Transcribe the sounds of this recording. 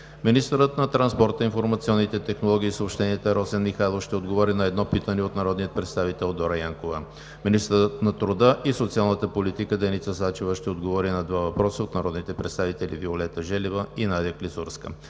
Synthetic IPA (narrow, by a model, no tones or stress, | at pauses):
minist̪əɾət̪nɐt̪ɾɐnspɔɾt̪əinfoɾmɐt̪siɔnːit̪ɛt̪ɛxnolˠɔɡ̟iːsəoːpʃt̪ɛniɛt̪əɾɔsɛnmixajlˠofʃt̪ɛod̪ɡovɔɾinɐɛd̪nɔpit̪əniot̪nɐɾɔd̪nijət̪pɾɛt̪st̪avit̪ɛlˠd̪ɔɾəjaŋkovə | minist̪əɾət̪nɐt̪ɾʊd̪əʔisot̪sialˠnət̪əpolit̪ikəd̪ɛjnit̪səsat͡ʃivəʃt̪ɛod̪ɡovɔɾinɐd̪vavɐpɾɔsəot̪nɐɾɔd̪nit̪ɛpɾɛt̪st̪avit̪ɛlḭviolɛt̪əʒɛlivəinad̪jəklisuɾskə̰